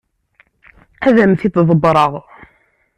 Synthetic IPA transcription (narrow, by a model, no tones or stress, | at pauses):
æðæmθit̪ðˤəbɾˤəʁ